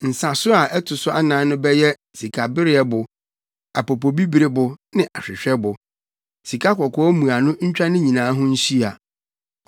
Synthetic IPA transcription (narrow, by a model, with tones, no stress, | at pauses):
n̩˨sa˨sʊ˦a˨ʔɛ˦tʰʊ˨sʊ˦ʔa˦nã˨˦nʊ̃˦bɛ˦jɛ˦ | si˨kʰa˨bɪ˦ɾɪ˦ɛ˦bʊ˨ | a˨po˨po˨bi˦bi˨ɾɪ˦bʊ˨nɪ̃˦ʔa˨ɕᶣɪ˨ɕᶣɛ˦bʊ˨ | si˨kʰa˦kɔ˨kʰɔ˦ɔ˦mũ˨a˨nʊ̃˦ɲ̩˦t͡ɕᶣa˦nɪ̃˦ɲĩ˨nãː˨˦ɦʊ̃˦ɲ̩˦ɕi˦a˨